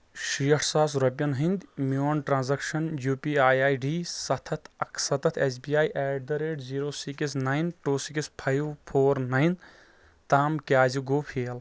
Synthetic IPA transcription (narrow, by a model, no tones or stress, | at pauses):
ʃijɐʈʰsaːs̬ɾɐpʲːjɐnɦind̪ʲmoːnʈɾãːnzɐkʃɐnjuːpiːaːjaːjɖiːsɐt̪ʰɐt̪ʰɐkʰsɐt̪ʰɐt̪ʰeːs̬biːaːjʔɛːɖ̚d̪ɐɾeːʈziːɾoːsikis̬naːjnʈoːsikispʰajwpʰoːɾnajn | t̪aːmkʲaːziɡoːpʰeːl